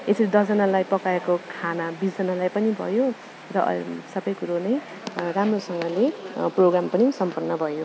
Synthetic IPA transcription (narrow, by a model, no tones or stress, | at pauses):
esiɾid̪ʌd͡zʌnalajpʌkaekokʰanabisd͡zʌnalajpʌnibʱʌ̰jo | rʌʔsʌbʌjkuɾonʌj | ramrosʌŋɡʌleproɡrampʌnisʌmpʌrnːʌbʱʌjo